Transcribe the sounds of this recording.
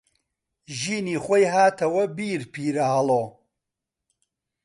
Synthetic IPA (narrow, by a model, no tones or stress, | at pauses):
ʒiːniːχʷojɦaːt̪ʰɐwɐbiːɾpʰiːɾɐhɐloː